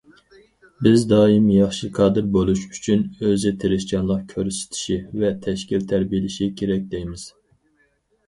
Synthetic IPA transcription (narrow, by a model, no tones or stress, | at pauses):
bɪzd̪ɑːimjɑχʃɨqʰɑːd̪ɨɾbolˠuʃyt͡ʃʰynøzɪt̪ʰeɾɪʃt͡ʃʲɑnlˠɑqkʲʰøɾsɪ̥t̪ʰi̥ʃivɛt̪ʰɛʃkʲilt̪ʰæɾbijlɪʃikʲʰeɾɛk̚ʲd̪ejmɪz̥